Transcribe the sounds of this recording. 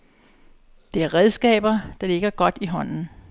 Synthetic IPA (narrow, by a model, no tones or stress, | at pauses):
d̥e̝æɐʁɛðˠsɡ̥ɛ̰ːb̥ɐd̥ɑ̈le̝ɡ̥ɐɡ̥ɒ̽d̥iɦɒ̽n̰n̩